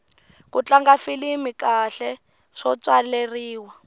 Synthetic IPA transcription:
kut͡ɬaŋɡafilimikaɬɛ | ʂɔt͡swaleriːwa

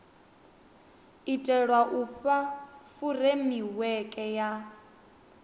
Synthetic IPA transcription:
itʼɛɺwaʔuɸafuremiwɛkʼɛja

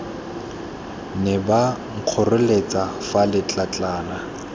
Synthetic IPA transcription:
nɪbaŋ̩q͡χʰɔrʊlet͡sʼafalɪt͡ɬʼat͡ɬʼaːla

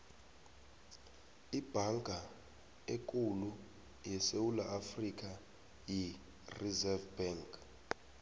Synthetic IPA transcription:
ib̥ʱaŋɡʱa | ekʼulu | jɛsewulaʔafrik̬ʼa | ji | rizɛvbɛŋkʰʼ

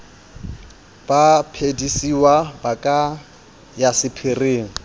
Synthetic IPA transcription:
b̥apʰedisiwabakʼa | jasɪpʰɪreːŋ̩

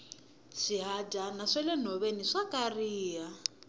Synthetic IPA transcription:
ʂiɦadʱanaʂɛlɛn̤ɔβeniʂakʼariːɦa

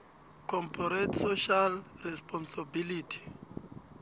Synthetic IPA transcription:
kʰɔmpʰɔɾɛtsoʃalrɛspʰʼɔnsabilitʰi̥

